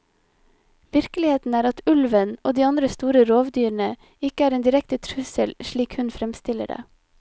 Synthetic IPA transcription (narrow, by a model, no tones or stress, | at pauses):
ʋɪɾkəlɪheːt̪n̩æːɾɑt̪ʉlʋənʔoːd̪iːɑnd̪ɾəst̪uːɾəɾoːʋd̪yːɾɳə | ɪkəæːɾeːnd̪ɪɾɛkt̪ət̪ʰɾʉsəlʃɭiːkhʉnfɾɛmst̪ɪlə̰ɖḛː